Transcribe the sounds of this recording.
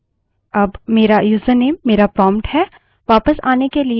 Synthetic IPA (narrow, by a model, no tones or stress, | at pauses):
ɐbmeːɾajuːsəneːmːeːɾapɾɔːmʈhɛː | ʋaːpəsa̰ːnekeli